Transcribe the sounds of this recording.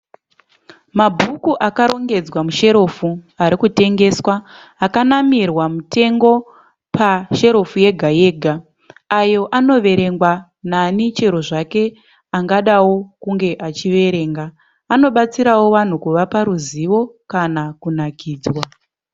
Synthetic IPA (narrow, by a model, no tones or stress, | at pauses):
mabʱukuʔakaɾo̞ŋɡe̞d͡zwamuʃe̞ɾo̞fuaɾikute̞ŋɡe̞swaːkanamirwamute̞ŋɡo̞ | paʃe̞ɾo̞fuje̞ɡʱaje̞ːɡʱa | ajo̞ʔano̞ʋe̞ɾe̞ŋɡwa | nanit͡ʃe̞ɾo̞ʐake̞ | aŋɡaɗawo̞kuŋɡe̞ʔat͡ʃiʋe̞ɾe̞ːŋɡa | ano̞ɓat͡siɾawo̞ʋan̤ukuʋapaɾuziʋo̞kanakunakʰiːd͡zwa